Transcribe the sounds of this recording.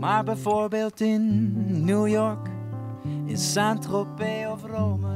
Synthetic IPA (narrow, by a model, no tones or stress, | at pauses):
maːɹbɛjvoːɹbeːlˠtɪnːujɔɹk | ɪ̰ssantropeɔvrowmə